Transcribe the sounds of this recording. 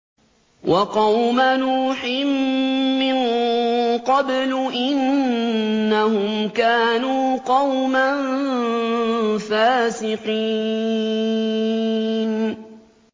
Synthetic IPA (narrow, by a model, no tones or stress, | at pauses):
wʔɑqɑwmanuːħɪmː | ɪn | qɑblʊʔɪnː | ahʊmkaːnuːqɑwman | faːsɪqi | n